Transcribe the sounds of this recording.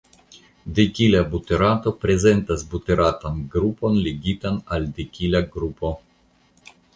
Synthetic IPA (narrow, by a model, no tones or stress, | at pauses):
dekilabuteɾato̞pɾe̞ze̞ntasbuteɾatanɡɾupo̞nleɡitanaldekʲilaɡɾupo̞